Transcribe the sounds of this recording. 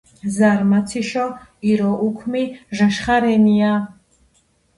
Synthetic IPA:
zaɾmat̪t͡s̪ʰiʃɔiɾɔʔukʰmiʒaʃχaɾɛnia

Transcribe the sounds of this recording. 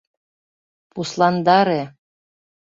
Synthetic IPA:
puslɑnd̪ɑɾe

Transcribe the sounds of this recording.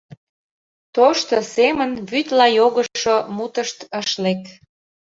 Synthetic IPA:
t̪oʃt̪osemənβyt̪lɑjoɣəʃomut̪əʃt̪əʃlek

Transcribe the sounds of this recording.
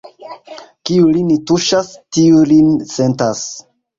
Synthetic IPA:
kiulinituʃastiulinse̞ntas

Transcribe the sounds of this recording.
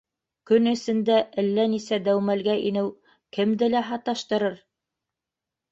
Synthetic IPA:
kɵnɘ̆sɘ̆nd̪æʔɘlːænisæd̪æwmælɡæʔinɘw | kɘ̆md̪ɘlæɦɑt̪ɑʃt̪ɤ̆ɾɤɾ

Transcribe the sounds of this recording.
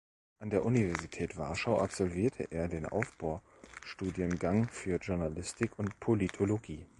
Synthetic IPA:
ʔandeːɐʔunivɛɐzitʰɛːtv̥a̰ɐʃaʊʔapz̥ɔlviːɐtʰə̰ʔeːɐdeːnʔa̰ʊfb̥aʊ | ʃtuːdjənɡaŋfyːɐʒʊɐnalɪstɪkʰʊntpʰolitʰoloɡiː

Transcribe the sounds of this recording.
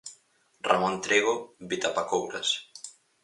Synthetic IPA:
ra̰mõnt̪ɾeɣoβit̪apakowɾas

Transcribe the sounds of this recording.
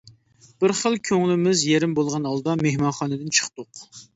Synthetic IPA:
b̥ɪɾχəlˠkʲʰøŋlɪmɪzjeɾɪmbolˠʁɑnɑlˠd̪ɑmehmɑnχɑːnɨd̪ɨnt͡ʃʰə̥χt̪ʊq

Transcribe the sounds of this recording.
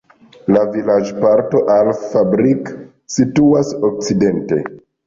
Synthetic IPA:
lavilad͡ʒpaɾto̞ʔalfabɾik | situasok̚t͡side̞nte̞

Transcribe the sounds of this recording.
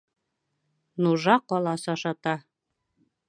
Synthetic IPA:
nuʒɑqɒlˠɑsɑʃɑt̪ɑ

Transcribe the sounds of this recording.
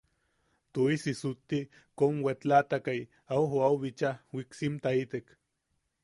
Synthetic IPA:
t̪oisisut̪ːi | konwet͡ɬat̪akaj | awɦoawβit͡ʃahwiksimt̪ait̪ek

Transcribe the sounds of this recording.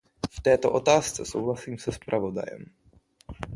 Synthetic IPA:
ft̪ɛːt̪o̰ʔot̪aːst͡sɛsowɦlasiːmsɛspɾʔavo̞da̰jɛ̰m

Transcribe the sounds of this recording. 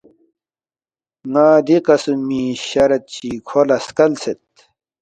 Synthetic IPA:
ŋaːd̪ikɐsumiːɕɐɾɐt̪̚t͡ɕikʰolɐskɐlset̪̚

